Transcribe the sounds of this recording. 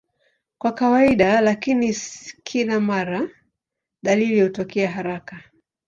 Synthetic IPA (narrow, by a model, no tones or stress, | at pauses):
kwakawaiɗalakiniskʰilamaɾa | ɗalilihutɔkɛaɦaɾaka